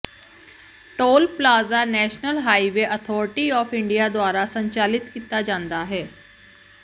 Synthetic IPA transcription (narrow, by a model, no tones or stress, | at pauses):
ʈoːlplaːzaːnɛːʃnəlɦaːiʋeːʔət̪ʰɔːɾɪʈiːɔːfɪɳɖijaːd̪oaːɾaːsəɲt͡ʃaːlɪt̪kiːt̪ːaːd͡ʒãːnd̪aːɦɛː